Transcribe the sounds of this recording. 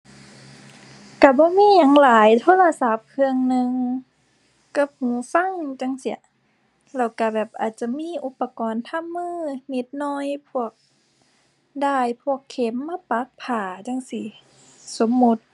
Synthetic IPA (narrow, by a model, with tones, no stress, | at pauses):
ka˧˩bɔː˧˦miː˧˥˨ɲa˨˧˦ŋlaː˨˦jt̪ʰoː˧˥˨la˧sa˧˦p̚kʰɯ˧əŋnɯ˧ŋ | ka˧˩p̚hũː˨˦fa˧˥˨ŋt͡ɕa˧˩ŋsi˧˩ə˨ | lɛː˧˩wka˧˩bɛː˨˩p̚ʔaː˨˩t̪̚t͡ɕa˧˨miː˧˥˨ʔu˧˦pːa˧kɔː˨nt̪ʰa˧˥˨mːɯː˧˨ne˧˦t̪̚nɔː˧˥˨jpʰu˧˩ək̚ | daː˧˩jpʰu˧˩əkʰːe˨˦mːaː˧˨pa˧˦k̚pʰaː˨˩t͡ɕa˧˨ŋsi˧˩ | so˨˦mːu˧˦t̪̚